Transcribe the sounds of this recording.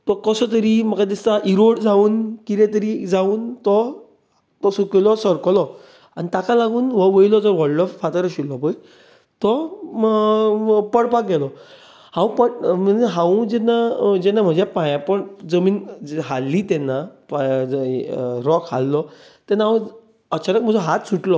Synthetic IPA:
t̪ɔkəsɔt̪̬əɾiməkat̪̬ist̪aʔiɾoɽd͡zauːnkiɾɛ̃t̪̬əɾiːd͡zauːnt̪ɔ | kɔsokilɔsəɾkɔlɔ | anit̪akalaɡuːnʋəʋəjlɔd͡zɔɾʋɔɭɖɔffat̪əɾəɕilɔpəj | t̪ɔ | pəɽpak̚ɡɛlɔ | hãwũpəʈməɦãwũd͡ʑɛnːad͡ʑɛnːam̤ə̃d͡ʑjapãjãpəɳd͡zəmiːnɦalːiːt̪ɛnːap | ɾɔkha̰lːɔ | t̪ɛnːaə | ət͡ɕaɾək̚m̤əd͡zɔɦat̪suʈlɔ

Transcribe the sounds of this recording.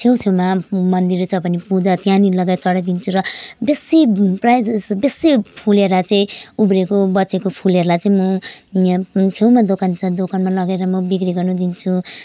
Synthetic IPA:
t͡sʰew̃t͡sʰewmamʌnd̪iɾt͡sʰʌbʱʌnipud͡zat̪jãnilʌɡat͡sʌɽʌd̪int͡sʰuɾʌbesiprajd͡zsbesipʰuleɾʌt͡saĩubɾekobʌt͡sekopʰuleɾlajt͡saĩmʌ | t͡sʰewmad̪okʰant͡sʰʌd̪okʰanmalʌɡeɾʌmʌbikriɡʌrnud̪int͡sʰu

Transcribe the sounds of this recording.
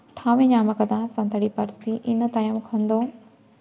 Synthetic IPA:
ʈʰaːʋẽɲaːməkɐd̪ãːsɐ̃nt̪əɽipɐɾsiʔɪnət̪aːjəmkʰɐ̃nd̪oː

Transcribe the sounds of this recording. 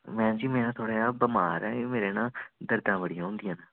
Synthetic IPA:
mɛ̃ːd͡ʒiːmɛ̃ːnãːt̪ʰoːɽeːaːbəma̰ːɾɛːmeːɾeːnãːd̪əɾd̪ãːbəɽijãːʊ̃nd̪ɪjãːnaː

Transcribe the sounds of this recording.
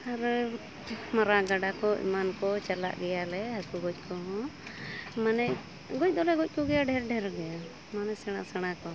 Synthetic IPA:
aɾ | maɾaɡaɖakɔḭmankɔt͡ʃala̰ʔɡɛjalɛɦakuɡɔc̚ˀkʰɔɦɔ̃ | manɛʔ | ɡɔc̚ˀd̪ɔlɛɡɔc̚kɔɡɛjaɖɛɾɖɛɾɡɛja | manɛsɛɽ̃asɛɽ̃akɔ

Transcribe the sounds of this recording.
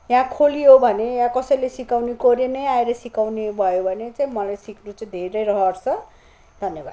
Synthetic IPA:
jãkʰolijobʱʌnejãkʌsʌjlesikawnekoɾjenʌjaeɾʌsikawnebʱʌjobʱʌnet͡saĩmʌlajsiknut͡saĩd̪ʱeɾʌjɾʌɦʌrt͡sʰʌ | d̪ʱʌnjʌba̰d̪

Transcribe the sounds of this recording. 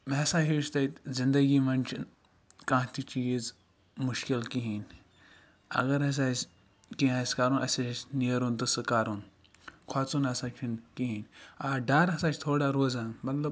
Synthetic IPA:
mɛsãːɦiʃt̪ɐit̪zind̪ɐɡiːmɐnt͡ʃʰ | kãːt̪it͡ʃiːz | mʊʃkilkiɦiːn | ɐ̰ɡɐɾɐs̬aːs | kiɦãːskaːɾunʔɐsisniɾunt̪ɨsɨkaːɾun | kʰaːt͡sunɐsaːt͡ʃʰinkiɦiːnaːɖaːɾɐsaːt͡ʃʰt̪ʰoːɽaːɾoːzaːmɐt̪lɐb

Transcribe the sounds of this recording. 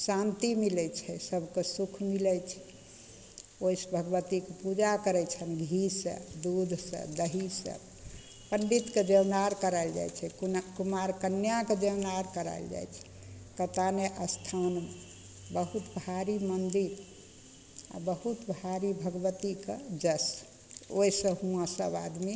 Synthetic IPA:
sãnt̪imilɛt͡ʃʰɛsəbʱkesukʰmilɛt͡ʃʰɛ̥ | oisbʱəɡʋət̪ikepud͡ʒakəɾɛt͡ʃʰənɡʱisə̰d̪ud̪ʱsə̰̃d̪əɦisə̰b | pəɳɖit̪ked͡ʒəwnaɾkəɾaɪld͡ʒa̰jt͡ʃʰɛkkumaɾkənːjaked͡ʒewnaɾkəɾa̰ɪld͡ʒa̰jt͡ʃʰɛ̥ | kət̪aneʔəst̪ʰanme | bəɦut̪bʱaɾimənd̪iɾ | a̰bəɦut̪bʱaɾibʱəɡbət̪iked͡ʒəs | oisə̃ɦũãsə̰ba̰d̪mi

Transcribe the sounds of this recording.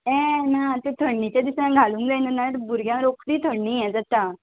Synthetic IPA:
ɛ̃nat̪et̪ʰəɳːit͡ɕad̪isãɡʱaluːŋkd͡zajnənaɾbuɾɡʱjãɾokɽiːt̪ʰəɽnijɛ̃d͡zət̪a

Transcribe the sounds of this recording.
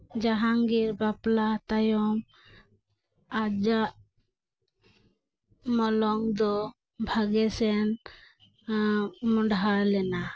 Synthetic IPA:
d͡ʒaɦaŋɡiɾbaplat̪ajɔŋ | ad͡ʒaʔ | mɔlɔŋd̪ɔ | bʱaɡɛsɛn | mɔɳɖɦalɛna

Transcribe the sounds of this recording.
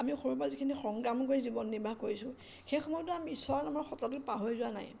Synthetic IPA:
amixoɹup̬azikʰinixɔŋɡamkojzibɔnːiɹbʱakoɹisʊ̃ | xejxɔmɔjɔt̬ʊamiisɔanamaɹxɔtatʊpaɦojzʊwana̰j

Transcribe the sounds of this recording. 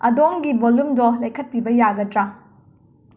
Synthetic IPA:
ɐdoŋɡibolumdolɐjkʰɐt̚pibɐjaɡɐtɾa

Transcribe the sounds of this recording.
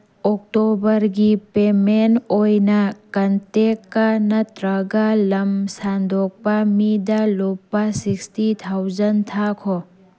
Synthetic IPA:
ɔk̚tɔbɐɾɡipemenojnɐkɐntekanɐt̪ɾɐɡalɐmsand̪ʱɔk̚pamid̪alopːasikstit̪ʰawzɐnt̪ʰakʰɔ

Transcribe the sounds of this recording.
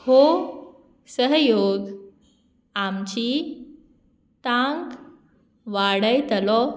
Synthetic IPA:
ho | səɦjoɡ | amt͡ɕi | t̪ãŋk | ʋaɽəjt̪əlɔ

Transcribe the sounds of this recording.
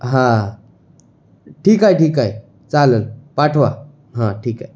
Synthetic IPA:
ɦã | ʈʰiːkajʈiːkaj | t͡salənpaʈʰʋa | ɦãʈʰiːkaj

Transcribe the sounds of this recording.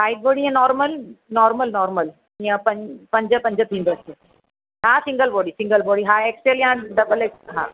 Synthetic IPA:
haːiɖ̚boːɽiãnɔːɾməlnɔːɾməlnɔːɾməl | iə̃pɐ̃pɐ̃ɲd͡ʑəpɐ̃ɲd͡ʑət̪ʰĩnd̪osʰe | ɦãsɪ̃ŋɡəlbɔːɽisɪ̃ŋɡəlbɔːɽiɦãekseljãɖɐbəleːksɦã̰ː

